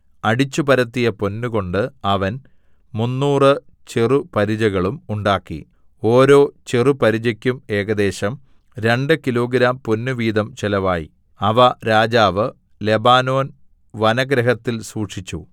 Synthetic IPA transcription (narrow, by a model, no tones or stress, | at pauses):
ɐɽit͡ɕːubɐɾɐt̪ːijɐponːuko̞ɳɖɨɐʋɐn | munːuːrɨ | t͡ɕirupɐɾid͡ʑɐɣɐɭumuɳɖaːkːḭ | o̞ːɾo̞ːt͡ɕirupɐɾid͡ʑɐkʲːume̞ːɣɐd̪e̞ːɕɐm | ɾe̞ɳɖɨkilo̞ːɡɾaːmpo̞nːuʋiːd̪ɐmt͡ɕelɐʋaːjḭ | ɐʋɐɾaːd͡ʑaːʋɨ | le̞baːno̞ːn | ʋɐnɐɡɾɐɦɐt̪ːilsuːʂit͡ɕːṵ